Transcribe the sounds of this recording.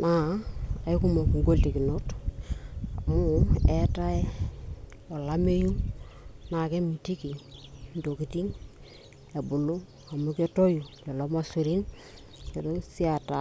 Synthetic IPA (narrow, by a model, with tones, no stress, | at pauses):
na˨a˨i˦ku˦mo˨kŋɡo˦lti˨ki˨no˦t | a˨mu˦ɛ˦ta˦e˦ | o˨la˦me˦ju˦ | na˨ke˦mi˨ti˦ki˨ndo˨ki˨ti˦ŋ | e˨bu˨lu˦ | a˨mu˦ke˦to˦ju˨le˨lo˦ma˦su˨ɾi˦n | ke˨do˦si˦a˨ta˨